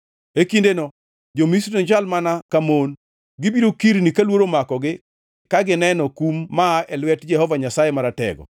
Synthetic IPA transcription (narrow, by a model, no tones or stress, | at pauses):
ekindenɔ | d͡ʒomisɾinod͡ʒalmanakamon | ɡɪbiɾokiɾnikalwoɾomakɔɡɪ | kaɡɪnɛnɔkumːaʔɛlwɛtd͡ʒɛhɔvaɲasajemaɾatɛ̰ɡɔ̰